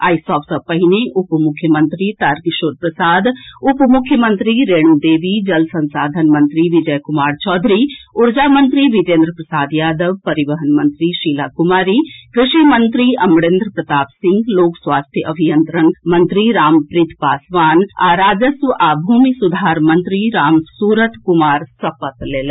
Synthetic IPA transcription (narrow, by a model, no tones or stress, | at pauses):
a̰ːisɔːfsəpəɦineʔʊpmʊkʰjəmənt̪ɾiːt̪aɾkʃoːɾpɾəsaːd̪ʊpmʊkʰːjəmə̃nt̪ɾiːɾeːɽuːd̪eːʋiːd͡ʒəlsənsaːd̪ʱənmənt̪ɾiːʋɪd͡ʒəjkʊmaːɾt͡ʃɔːd̪ʱɾiːʊɾd͡ʒaːmənt̪ɾiːʋɪd͡ʒẽːnd̪ɾəpɾəsaːd̪jaːd̪əʋpəɾɪʋəɦənmənt̪ɾiːʃiːlaːkʊmaːɾiːkɾɪʃiːmənt̪ɾiːɐmɽẽːnd̪ɾəpɾət̪aːpsɪŋɡloːkswaːst̪ʰjəʔəbʱijənt̪ɾənmənt̪ɾiːɾaːmpɾɪt̪ʰpaːsʋaːnaːɾaːd͡ʒəsʋəʔaːbʱuːmisʊd̪ʱaːɾmənt̪ɾiːɾaːmsuːɾət̪kʊmaːɾsəpət̪leːlɛ